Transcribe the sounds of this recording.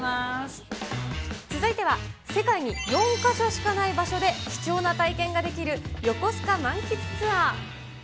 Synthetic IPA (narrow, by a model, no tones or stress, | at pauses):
as | t͡sɨzɨit̪e̞βase̞kaiɲ̟ijõ̞ŋkaɕo̞ɕi̥kanaibaɕo̞d̪e̞ki̥t͡ɕo̞ːnat̪aikẽ̞ŋɡad̪e̞kʲiɾɯ̟jo̞ko̞sɨ̥kamãŋkʲit͡sɨ̥t͡sɨa